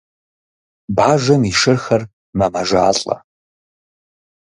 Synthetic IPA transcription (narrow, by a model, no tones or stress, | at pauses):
baːʒɐmiʃɨrxɐr | mɐmɐʒaːɬʼɐ̰